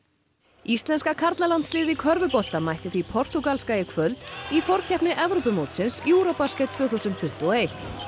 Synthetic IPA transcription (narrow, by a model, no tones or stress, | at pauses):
ist̪lɛnskakʰaɾt̪lalant̪slɪːðɪkʰœɾvʏpɔl̥t̪amajht̪ɪθvipʰɔr̥t̪ukalskaːjɪkʰvœlt̪ifɔɾ̥cʰɛhpnɪʔɛvɾowpʏmoːwt̪sɪnsuːɾopaskɛt̪ʰvœːθusʏnt̪ʰʏht̪uɔejht̪